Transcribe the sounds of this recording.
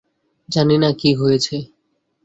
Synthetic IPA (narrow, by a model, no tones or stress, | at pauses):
d͡ʑaninakiɦojet͡ɕʰe